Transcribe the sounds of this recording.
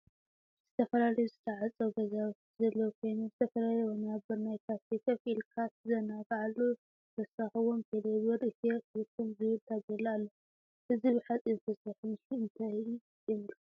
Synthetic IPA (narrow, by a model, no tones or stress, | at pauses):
z̥ɨt̪ʰɐfɐlalɐjuzɨt̪ʰɐʕat͡sʼɐwɡɐzawt͡ʃzɐlːɐwkʰo̞jnuzɨt̪ʰɐfɐlalɐjwonabɨɾnajk̪ʰat̪ikʰɐfilkʰat̪zɐnaɡaʕalːu | t̪ʰɐsaxɨwomt̪ʰeleβɐɾɨt̪elɨkʰːumzɨβɨlt̪ʰaɡɐlːalːɐ | ʔɨziβɨħat͡sʼizt̪ʰɐsɐħunʃiɨnt̪ʰai | jɛlːu